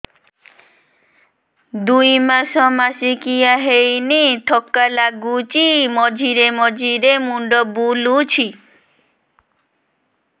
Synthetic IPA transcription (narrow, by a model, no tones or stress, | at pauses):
d̪ujmaʃɔmasikijaɦejniʈ̪ʰɔkːalaɡut͡ʃimɔd͡ʒʱiɾemɔd͡ʒʱiɾemuɳɖɔbulut͡ʃʰi